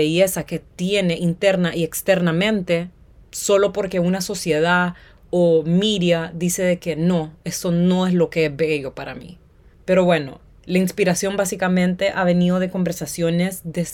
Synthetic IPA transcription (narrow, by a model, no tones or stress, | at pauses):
eʝe̞sake̞t̪je̞ne̞ʔint̪e̞ɾnaʔiekst̪e̞ɾnamẽ̞nt̪e̞so̞lo̞po̞ɾke̞unaso̞sje̞ða | omiɾjaðise̞ðe̞ke̞no̞e̞st̪o̞no̞e̞zlo̞ke̞ezβeʝo̞paɾa̰mḭ | pe̞ɾo̞βwe̞no̞̰ | lainspiɾasjo̞mbasikamẽ̞nt̪e̞ʔaβe̞nið̞o̞ð̞e̞ko̞mbe̞ɾsasjo̞ne̞zd̪e